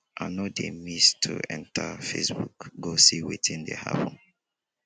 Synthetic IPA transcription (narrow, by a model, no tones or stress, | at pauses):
ʔanɔdemistʰuɛ̰̃ntʰafesbukɡosiwiθĩndeha̰pɔ̃n